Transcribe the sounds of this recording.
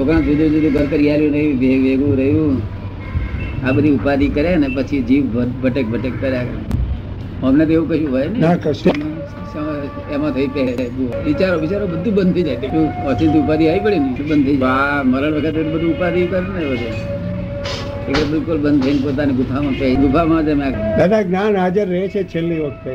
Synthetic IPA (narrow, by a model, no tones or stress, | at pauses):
t͡ʃokɾãid̪ʱud͡ʒed̪ũɡʱəɾkəɾijaljũɾəiʋeʋeɡũɾəɦjũː | aɓəd̪ʱiʊpad̪ikəɾjanepət͡ʃʰid͡ʒiːʋbəbʱəʈek̚bʱəʈekːəɾjakə̰ | ũəmnet̪oeʋũkəɦũɦɔjnamã | sə | emãt̪ʰəipɛbũʋɪt͡ʃaɾoʋɪt͡ʃaɾobəd̪ʱːũbə̃nd̪̚t̪ʰəid͡ʒajt̪euəsɪ̃it̪iupad̪iaipəɭinəĩbənd̪t̪ʰəid͡ʒaməɾəɳ̃ʋəkʰət̪et̪obəd̪ʱuupad̪ik̪əɾuneeʋəd̪e | ekebɪlkʊlbə̃nd̪̚t̪ʰəinpot̪̬aniɡʊpʰamãpɛɡʊpʰamãt̪emẽakd̪ad̪aɡnanad͡ʒəɾːəɦɛt͡ʃʰet͡ʃʰelːiʋəkʰt̪e